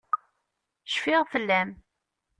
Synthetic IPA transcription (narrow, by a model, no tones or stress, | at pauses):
ʃfɪʁfəlːæm